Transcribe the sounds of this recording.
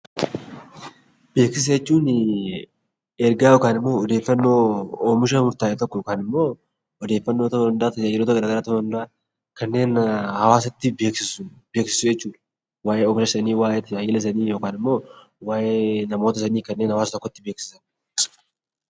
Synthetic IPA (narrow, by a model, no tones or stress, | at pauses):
b̥e̞ːksɪs̬ɐjɛt͡ʃːuːn | ɛɾɡaːjoːkaːnɪmːo̞ːɔd̪eːfːɐnːoːoːmɪʃ̬ɐmʊɾt̪aːɛt̪ɔkːɔkaːnɪmːo̞ː | ɔd̪e̞ːfːɐnːoːt̪ɐɐnd̪aːt̪ɐɐjɪɾoːt̪ɐɛɾɐɡɐɾaːt̪ːɐnd̪aː | kɐnːe̞ːnhɐwaːsɐt̪ːɪbeːksɪsʊbe̞ːksɪ̥sʊjɛt͡ʃːuːd̪ | waːʔeːɔːmɪʃɐsɐniːwaːjɛt̪ːɪɐjɪːlɐs̬ɐniːjo̞ːkaːnɪmːo̞ː | waːʔeːnɐmo̞ːt̪ɐsɐniːkɐnːe̞ːnhɐwaːsɐt̪ɔkːɔt̪ːɪbeːksɪ̥sɐn